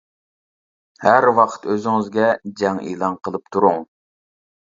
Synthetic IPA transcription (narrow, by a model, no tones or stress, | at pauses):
hæɾwɑqʰə̥t̪øzɪŋɪzɡʲɛd͡ʒɛŋʔḭːlˠɑŋqʰəlˠɨp̚t̪ʰuɾuŋ